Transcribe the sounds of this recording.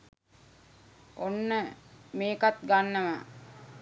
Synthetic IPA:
ʔonːəmeːkat̪̚ɡanːəma̰

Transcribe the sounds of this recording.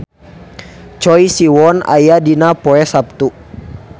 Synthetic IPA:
t͡ʃɔisiwɔna̰jadinapɔɛsap̚t̪u

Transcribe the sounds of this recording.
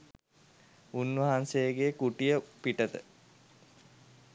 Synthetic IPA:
unʋɐɦansejəɡekuʈijəpiʈət̪ə

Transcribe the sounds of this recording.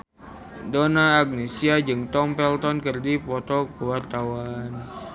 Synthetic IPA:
donaːɡ̚nesiad͡ʒɨŋt̪ɔmpɛlt̪ɔnkɨrdipɔt̪ɔkəwart̪awan

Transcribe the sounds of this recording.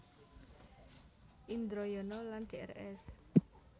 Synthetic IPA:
ʔind̪ɾojɔnɔland̪̥eɛ̰rɛs

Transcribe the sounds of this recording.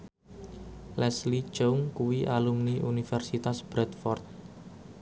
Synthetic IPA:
lɛslit͡ʃouŋkuwiʔalumniʔunifɛrsit̪asb̥ɾɛt̪fɔrt̪̚

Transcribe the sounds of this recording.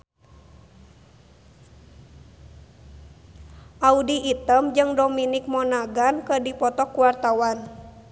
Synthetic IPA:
ʔaudiːt̪əmd͡ʒɨŋdominik̚mɔnaɡankədipɔt̪ɔkuwart̪awan

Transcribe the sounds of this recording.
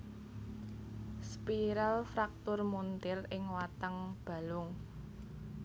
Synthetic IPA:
spiɾalfɾak̚t̪ʊrmunt̪ɪrɪŋwat̪əŋb̥a̤lʊŋ

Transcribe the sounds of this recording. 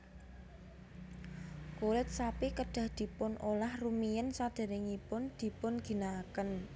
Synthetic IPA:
kuɾɪt̪̚sapikəɖ̥a̤hd̪̥i̤pʊnʔolahrumijənsad̪̥a̤nɪŋipʊnd̪̥i̤pʊnɡ̥i̤naːkən

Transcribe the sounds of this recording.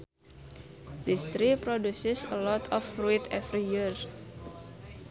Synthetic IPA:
dist̪ɾipɾodusɪsəlɔt̪ʰɔfɾuit̪ɛfɾijir

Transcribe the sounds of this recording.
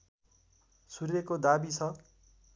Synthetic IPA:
surekod̪abit͡sʰʌ

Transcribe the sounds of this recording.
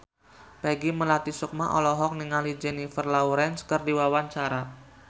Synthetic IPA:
pɛɡiməlat̪isuk̚maʔɔ̰lɔɦɔk̚niŋalid͡ʒɛnifərlauɾɛnskərdiwawaɲt͡ʃaɾa

